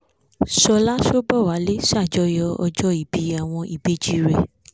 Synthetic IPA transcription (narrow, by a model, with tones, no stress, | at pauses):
sɔ˧la˦ʃo˦bɔ˦˨wa˨˦le˦ʃa˦˨d͡ʒɔ˧jɔ˧ɔ˧d͡ʒɔ˦i˨bi˨˦a˨w̃ɔ̃˧i˨be˨˦d͡ʒi˦ɾɛ˨